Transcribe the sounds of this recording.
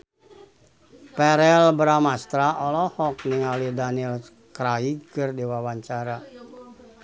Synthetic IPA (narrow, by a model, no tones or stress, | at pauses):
pɛɾɛlbɾamast̪ɾaʔɔlɔhɔk̚niŋalidanil | kɾaikɨrdiwawaɲt͡ʃaɾa